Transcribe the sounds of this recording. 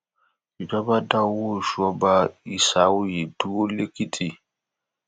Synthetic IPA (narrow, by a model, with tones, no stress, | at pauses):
i˨d͡ʒa˦ba˦da˦wwo˦˨ʃɔ˦ba˦i˨sa˨˦wu˦je˨du˦o˦le˦ki˦tʰi˨